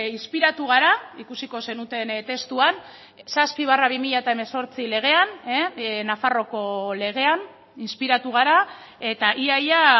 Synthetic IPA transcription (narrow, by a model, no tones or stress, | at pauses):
inspiɾat̪uɣ̞aɾaikusiko̞se̞nut̪e̞nt̪e̞st̪uan | saspiβ̞araβimiʎaet̪aeme̞so̞ɾt͡sile̞ɣ̞e̞an | nafaro̞ko̞le̞ɣ̞e̞an | inspiɾat̪uɣ̞aɾa | e̞t̪aʔiaja